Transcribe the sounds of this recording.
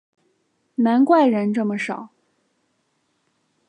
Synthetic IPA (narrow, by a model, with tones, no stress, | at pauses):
na˧˥nkwa˥˩ɪɻə˧˥nʈ͡ʂɤ˥˩mə˩ʂɑ˨˩˦ʊ